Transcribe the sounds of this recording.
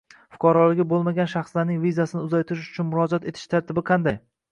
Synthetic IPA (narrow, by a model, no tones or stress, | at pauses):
fʊ̥qʰɒɾɒlˠɪɡʲɪbolˠmaɡʲanʃɑχslaɾnɪŋvizasɪnɪʊzajt̪ʰɪɾɪʃ̬ʊ̥t͡ʃʰʊnmʊɾɒd͡ʒat̪e̞t̪ʰɪʃt̪ʰaɾt̪ʰɪbɪqʰɑnd̪aj